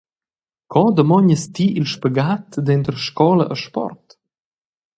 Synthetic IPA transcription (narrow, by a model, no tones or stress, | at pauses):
kʰɔd̪əmɔɲəst̪iʔilʃpəɡat̪d̪ɛnt̪əɾʃkɔləʔəʃpɔ̰rt